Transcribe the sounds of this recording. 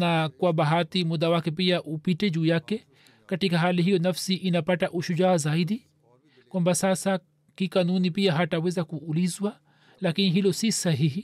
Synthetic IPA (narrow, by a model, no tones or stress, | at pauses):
nakwaɓaɦatimuðawakɛp̬iaʔupitɛʄuːjakɛ | katikaɦaliɦijɔnafsiʔinapataʔuʃud͡ʒaːzaiɗi | kwambasasa | kikanunipiaɦatawɛzakuːlizwa | lakiniɦilɔsisaɦihi